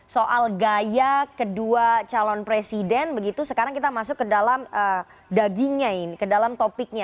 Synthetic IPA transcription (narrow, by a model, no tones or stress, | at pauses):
soʔalɡajakəduat͡ʃalɔnpɾesidɛnbəɡit̪usəkaɾaŋkit̪amasʊkːədalamə | daɡɪŋɲaɪnkədalamt̪opɪk̚ɲa